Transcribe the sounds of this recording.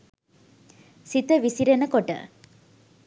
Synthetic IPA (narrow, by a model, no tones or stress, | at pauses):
sit̪əʋisiɾenəkoʈə̰